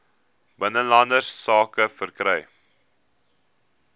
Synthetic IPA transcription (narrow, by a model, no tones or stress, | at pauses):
b̥ənəlɐndərsːɑːkəfərkɾɛj